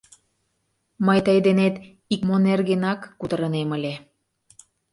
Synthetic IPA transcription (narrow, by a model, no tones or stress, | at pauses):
məjt̪əjd̪enet̪ | ikmonerɣenɑkːut̪əɾəneməlʲe